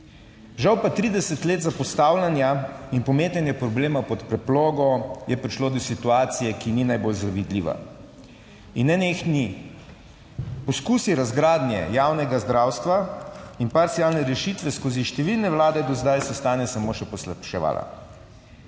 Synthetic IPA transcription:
ʒawpat̪ɾid̪ɛsɛt̪leːt̪zapɔst̪aːwlʲanjainpɔmeːt̪anjɛpɾɔbleːmapɔt̪pɾɛplɔːɡɔjɛpɾiʃloːd̪ɔsit̪uaːt̪sijɛkininajbolzaʋid̪liʋa̰ | inːɛneːxni | pɔskuːsiɾazɡɾaːd̪njɛ̰jaːwnɛɡazd̪ɾaːwst̪ʋainpaɾt̪siaːlnɛɾɛʃit̪ʋɛskoːziʃt̪ɛʋilnɛwlaːd̪ɛd̪ɔzd̪ajsɛst̪aːnjɛsamoːʃɛpɔslapʃɛʋa̰ːlʔa̰

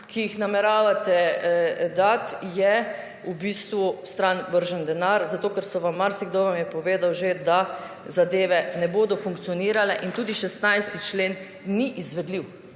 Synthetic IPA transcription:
kijixnamɛɾaːʋat̪ɛ | d̪at̪jɛ | ubist̪ʋust̪ɾanʋəɾʒənd̪ɛnaɾzat̪oːkɛɾsɔʋamːaɾsiɡd̪oʋamjɛpɔʋeːd̪awʒed̪a | zad̪eːʋɛnɛboːd̪ɔfuŋk̚t̪sijɔniːɾalɛʔint̪uːd̪iʃɛst̪najst̪it͡ʃleːnː | iʔizʋɛd̪liw

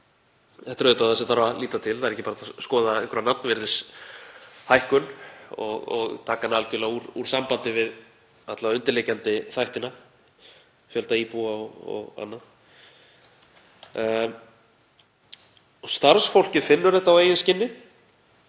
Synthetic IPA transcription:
ɛht̪ɾœːðt̪aθɛsɪθaɾvaliːt̪at̪ʰɪlθaðɛɾɛcɪpaːɾaθaskɔːðaɛŋkʰɾanat̪̚nvɛɾðɪs | hajhkʏnɔ̰ɣɔ̰ɣt̪ʰaːkanɪalcʏlauɾṵɾ̥sampant̪ɪvɪð | at̪lavaʏnt̪ɪɾlecant̪ɪθajht̪ɪna | fjœlt̪aiːpuaɔɔ̰ɣa̰nːa | ɔst̪aɾsfowl̥cɪfɪnːʏɾðɛht̪aawejɪnscɪnːɪ

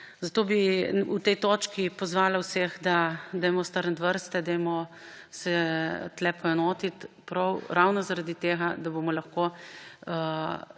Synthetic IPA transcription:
zat̪oːbiut̪ɛjt̪oːt͡ʃkipɔzʋaːlawseɣd̪ad̪ɛjmɔst̪əɾnd̪ʋəɾst̪ɛd̪ɛjmɔ | sɛt̪lɛpɔjɛnoːt̪it̪pɾɔwɾawnɔzaɾad̪it̪eːɣad̪abomɔlaxko

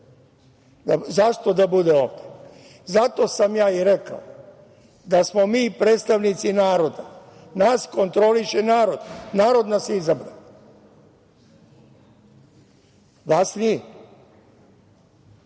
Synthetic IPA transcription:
d̪azaʃt̪o̞d̪abud̪eo̞ːʋd̪e | zat̪o̞samjaːiɾeka̰o | d̪asmo̞miːpɾeːt̪st̪aʋnit̪sinaːɾo̞d̪a | nasko̞nt̪ɾo̞liʃenaːɾo̞d̪naːɾo̞d̪nasizabɾa̰ʋe | ʋasni

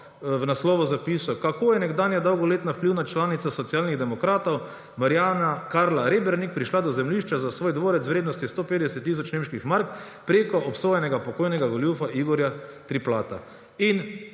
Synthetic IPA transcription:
wnaslɔːʋɔzapiːsɔkakoːjɛnɛɡd̪aːnjad̪ɔwɡɔleːt̪nafpliwnat͡ʃlaːnit̪sasɔt̪siaːlniɣd̪ɛmɔkɾaːt̪ɔw | maɾjanakaɾlaɾeːbɛɾnik̚pɾiʃlad̪ɔzɛmliʃt͡ʃazasʋoːjd̪ʋoːɾɛt̪sʋɾeːd̪nɔst̪ist̪oːpeːd̪ɛsɛt̪ːis̬ɔt͡ʃnemʃkixmaɾk | pɾeːkɔʔɔpsoːjɛnɛɡapɔkoːjnɛɡaɡɔljufaiɡɔɾjat̪ɾiplaːt̪a̰ | in

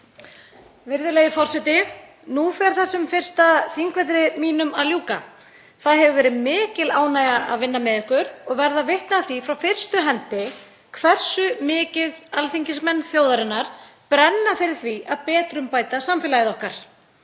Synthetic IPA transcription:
vɪɾðʏleːjɪfɔr̥sɛt̪ɪ | nufɛɾ̥θɛsːʏmfɪr̥st̪aθiŋkvɛt̪ɾɪmiːnʏmaðljuːka̰ | θaðɦɛvʏvɛːɾɪmɪːcɪlaːwnajɣaa̰ðvɪnːamɛðɪhkʏɾɔɣvɛɾðavɪht̪naθifɾawfɪr̥st̪ʏɦɛnt̪ɪ | kʰvɛr̥sʏmɪːcɪðalθiɲcɪsmɛnːθjoːwðaɾɪnːaɾ̥pɾɛnːafɪɾɪɾ̥θviaðpɛːt̪ɾʏmpaːjt̪asamfɪlajɪðɔhkaɾ̥

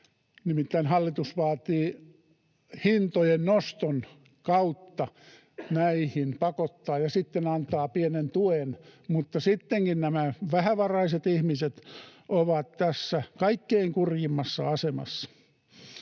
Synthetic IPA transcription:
nimit̪ːæinhɑlːit̪usʋɑːt̪iː | hint̪ojennost̪on | kɑut̪ːɑ | næihinpɑkot̪ːɑːjɑsit̪ːenɑnt̪ˑɑːpienent̪uenmut̪ːɑsit̪ːeŋkinnæmæʋæhæʋɑrɑiset̪ihmiset̪oʋɑt̪t̪æsːækɑikːeiŋkurjimːɑsːɑɑsemɑ̰sːɑ̥

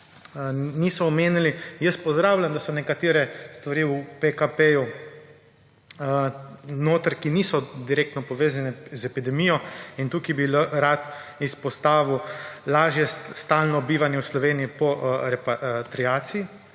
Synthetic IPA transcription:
niːsɔɔmeːnilijəst̪pɔzd̪ɾaːwlʲamd̪asɔnɛkat̪eːɾɛst̪ʋaɾiːupekapeju | noːt̪əɾkinisɔd̪iɾeːk̚t̪nɔpɔʋeːzanɛzɛpid̪ɛmiːjɔint̪uːkibilɾat̪ispɔst̪aːʋiwlaːʒjɛst̪alnɔbiːʋanjɛwslɔʋeːniipɔɾɛpat̪ɾiaːt̪sii

